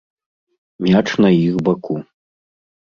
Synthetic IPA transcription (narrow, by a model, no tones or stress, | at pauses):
mʲat͡ʂnɐjixbakʰu